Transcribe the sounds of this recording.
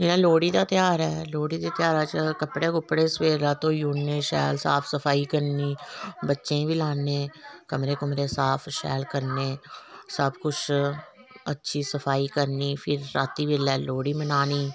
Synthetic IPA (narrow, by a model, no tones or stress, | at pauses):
d͡ʒɪnãːloːɽiːd̪aːt̪ɪjaːɾɛːloːɽiːd̪eːt̪ɪjaːɾaːt͡ʃkəpɽeːkʊpɽeːsʋeːɾd̪aːt̪õːjuːnneːʃɛ̰ːlsaːpʰsəpʰaːiːkəɾniːbətːʃẽːʋiːlaːnẽːkəmɾeːkʊmɾeːsaːpʰʃɛ̰ːlkəɾneːsəbkʊt͡ʃʰ | ətːʃʰiːsəpʰaːiːkəɾniːpʰɪɾːaːt̪iːʋɪlɛːloːɽiːmənaːniː